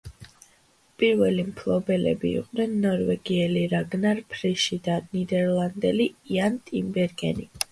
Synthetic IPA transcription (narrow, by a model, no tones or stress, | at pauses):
pʼiɾvɛlimpʰlˠɔbɛlɛ̰bḭːqʼnɛnːɔɾvɛɡiɛliɾaɡnaɾpʰɾɛʃid̪anid̪ɛɾlˠand̪ɛliiant̪ʼimbɛɾɡɛ̰ni